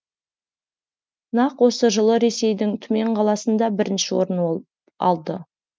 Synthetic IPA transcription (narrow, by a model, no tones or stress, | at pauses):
nɑqwo̞səʒəlˠəɾe̞se̞jd̪ɪŋt̪ʰʏme̞ɴqʰɑlˠɑsənd̪ɑbɪɾɪnʃɪwo̞̰ɾən | ɑ̰lˠd̪ə